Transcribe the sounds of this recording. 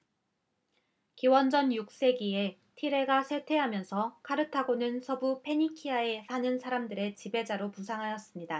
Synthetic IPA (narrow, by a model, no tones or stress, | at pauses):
kiwʌnd͡ʑʌnjuk̚s͈e̞ɡie | tʰiɾe̞ɡasʰe̞tʰe̞ɦamjʌnsʰʌkaɾɯtʰaɡonɯnsʰʌbupʰe̞ɲikʰiae̞sʰanɯnsʰaɾamdɯɾe̞t͡ɕibe̞d͡ʑaɾopusʰaŋɦajʌs͈ɯmɲida